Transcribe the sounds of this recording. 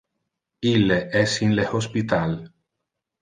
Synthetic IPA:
ilːeʔɛsinlehospit̪al

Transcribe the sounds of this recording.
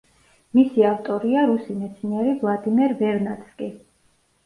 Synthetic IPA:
misiaft̪ʼɔɾiaɾusimɛt̪sʰniɛɾivlˠad̪imɛɾbɛɾnat̪skʼi

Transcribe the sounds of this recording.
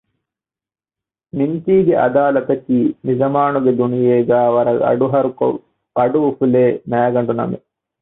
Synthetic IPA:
niɲt͡ʃiːɡeʔɐ̰d̪aːlɐt̪ɐkːinid͡ʒɐmaːnuɡed̪unijeːɡaːʋɐɾɐɐ̰ɖuɦɐɾuk | ɐɖuʋufuleːnɐːɐɡɐɳɖunɐ̰mḭ

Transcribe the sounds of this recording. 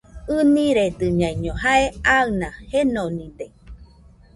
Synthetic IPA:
ɯniɾed̪ɨɲãiɲoɦaeaɯnahenonid̪e

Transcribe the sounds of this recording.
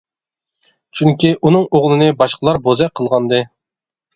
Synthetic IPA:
t͡ʃʰyŋkʲiʔunɨŋoʁlˠɨnɨbɑʃqʰəlˠɑɾbozɛqʰəlˠʁɑnd̪ɨ

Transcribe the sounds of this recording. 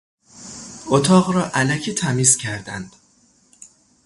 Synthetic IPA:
ot̪ʰɒːɣɾɒːʔælæcʰiːt̪ʰæmiːzcʰæɾd̪æ̰nd̪̥

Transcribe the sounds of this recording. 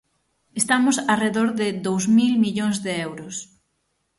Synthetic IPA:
est̪amʊsareðoɾðɪðowzmilmiʎõŋzðeɛwɾʊs

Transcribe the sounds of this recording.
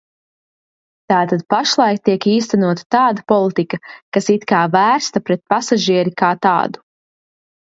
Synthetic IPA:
t̪aːt̪ad̪̚paʃlˠɑjkt̪iɛkiːst̪anuɔt̪ḁt̪aːd̪apɔlˠit̪ikɐkasit̪kaːvæːɾst̪ɐpɾɛt̪̚pasaʒiɛɾikaːt̪a̰ːd̪u̥

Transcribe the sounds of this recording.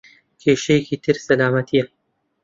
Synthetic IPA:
kʰeːʃejekiːt̪ʰɨɾsɐlaːmɐt̪ʰijɐ

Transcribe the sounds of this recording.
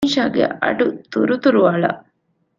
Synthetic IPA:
nʃaːɡḛɐ̰ɖut̪uɾut̪uɾuʋaːɭɐ̰

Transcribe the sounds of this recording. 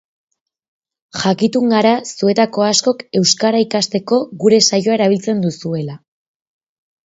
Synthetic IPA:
xakit̪uŋɡaɾasue̞t̪ako̞asko̞ke̞wskaɾaikast̪e̞ko̞ɡuɾe̞sajo̞ae̞ɾaβ̞ilt͡se̞nd̪usue̞la

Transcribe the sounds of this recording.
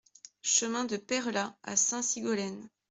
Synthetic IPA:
ʃəmɛ̃d̪əpɛʁlaa̰sɛ̃siɡɔlɛn

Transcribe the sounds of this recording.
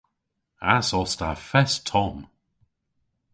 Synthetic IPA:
asɔsta̰fɛstʰɔm

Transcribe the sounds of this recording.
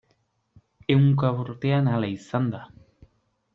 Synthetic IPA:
euŋkaβoɾt̪eanalajsand̪a

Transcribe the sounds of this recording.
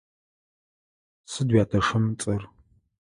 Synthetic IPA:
sɨdwjaːtʰɐʂɐmt͡sʼɐr

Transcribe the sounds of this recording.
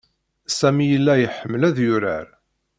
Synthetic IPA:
sæmijəlːæjəħəmːəlæðjʊɾə̰ɾ

